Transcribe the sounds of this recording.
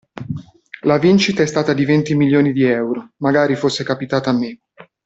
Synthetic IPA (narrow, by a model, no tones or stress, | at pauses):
lavint͡ʃit̪aɛst̪aːt̪ad̪ivent̪imiljoːnid̪iɛwɾomaɡaːɾifosːekapit̪aːt̪aːmːe